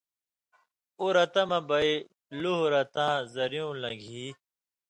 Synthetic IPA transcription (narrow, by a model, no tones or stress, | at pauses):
uɾɐt̪ɐmɐbɐi | luɦɾɐt̪ãːzɐɾjũːlɐ̃ɡʱiː